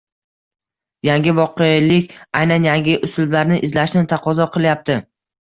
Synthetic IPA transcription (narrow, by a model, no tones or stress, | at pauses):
jaŋʲɪvɒqelɪkʲajnanjaŋɡʲɪʔʊsʊlblaɾnɪʔɪzlaʃnɪt̪ʰaqɒzɒqʰɨlˠjap̚t̪ʰɪ